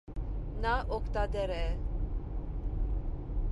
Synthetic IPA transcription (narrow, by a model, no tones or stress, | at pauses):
naʔɔkt̪ad̪ɛɾɛ